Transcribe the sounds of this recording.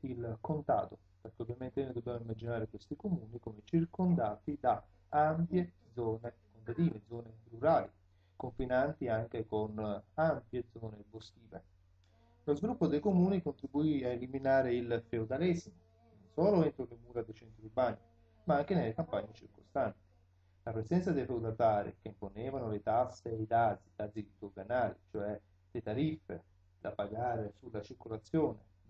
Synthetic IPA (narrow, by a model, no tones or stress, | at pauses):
ilkont̪a̰ːt̪o | perk̟eovːjament̪ened̪ubjɛmoimːad͡ʒinaːɾekwest̪ikomuːnikomet͡ʃirkond̪aːt̪id̪a | ampjed̪zɔːnekont̪ad̪iːned̪zɔːneruɾaːli | koɱfinant̪iaŋk̟ekonampjed̪zɔːnebost̪iːvḛ | lozvilupːod̪ejkomuːnikont̪ɾibuiaeliminaːɾeilfeod̪alɛzmo | nonsɔːloent̪ɾolemuːɾad̪et͡ʃɛnt̪ɾubani | maaŋk̟enelːekampaɲːet͡ʃirkost̪ant̪i̥ | lapɾezɛnt̪sad̪ejfewd̪ad̪aːɾḭkeimponɛːvanolet̪asːeid̪aːzid̪̥ad̪zid̪oɡanaːlḭt͡ʃoɛ | let̪aɾifːḛ | d̪a̰paɡaːɾesulːat͡ʃirkolat̪sjɔːne